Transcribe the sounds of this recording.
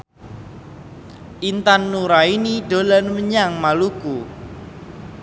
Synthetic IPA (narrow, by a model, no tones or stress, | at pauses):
ʔint̪anːuɾainiɖ̥o̤lanməɲaŋmaluku